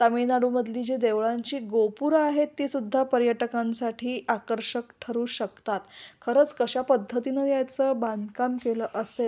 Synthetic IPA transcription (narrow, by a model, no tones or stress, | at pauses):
t̪aminaɽuːməd̪ʱliːd͡ʑid̪eʋɭaɲt͡ɕiːɡopuɾaɦet̪ːisud̪ʱːapəɾjəʈəkãnsaʈʰiːʔakəɾɕəkʈʰəɾuːɕəkt̪at̪kʰəɾəːt͡skəɕapəd̪ʱːət̪inəjat͡səband̪ʱkamkeləʔəsel